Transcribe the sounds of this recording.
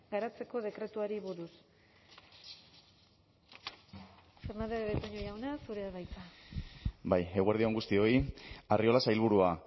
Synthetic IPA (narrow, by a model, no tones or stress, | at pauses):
ɡaɾat͡se̞ko̞ð̞e̞kɾe̞t̪uaɾiβuɾus | fe̞ɾnand̪eðeβet̪oɲojawnasuɾeaβajt͡s̪a | bajeɣuaɾð̞io̞ŋɡust̪io̞iario̞lasajlβ̞uɾua